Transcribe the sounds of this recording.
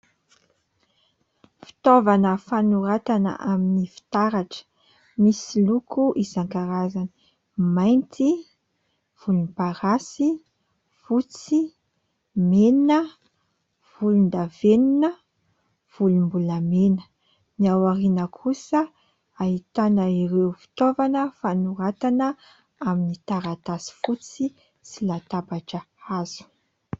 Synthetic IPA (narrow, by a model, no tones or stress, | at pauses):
fi̥t̪ovanəfanuɾat̪anə̰ʔaminifi̥t̪aɾaʈ͡ʂə̥ | misilukuʔizaŋkaɾazani | majnt̪i | v̥ulunpaɾasi | fut͡si | meninə | v̥ulund̪aveninə | v̥ulumbuləmenə̥ | niawaɾinəkʰusə | aɦit̪anəiɾewfi̥t̪ovanəfanuɾat̪anə | aminit̪aɾat̪asi̥fut͡si | silat̪abaʈ͡ʂə | azu̥